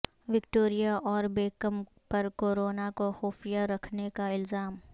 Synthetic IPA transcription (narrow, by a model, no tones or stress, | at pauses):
ʋɪkʈoːɾijaʔɔːɾbeːkəm | pɐɾkoːɾoːnakoxoːfijaɾɐkʰnekaɪlzaːm